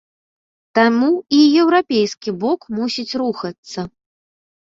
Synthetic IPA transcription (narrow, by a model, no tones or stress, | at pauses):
t̪amuijɛwɾapʲejskʲibɔkmusʲit͡sʲɾuxɐt̪sːɐ